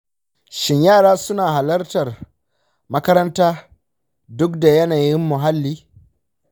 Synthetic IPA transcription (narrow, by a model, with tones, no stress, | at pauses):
ʃɪ˦ɲjaː˦˨ɽaː˦sʊ˦naː˨ɦa˨lɐ˦rtɐ˨r | mɐ˦kɐ˦ɾɐ˦ntaː˦ | dʊ˦kda˨jɐ˦naː˨jɪ˦mːʊ˨ɦa˦lːiː˦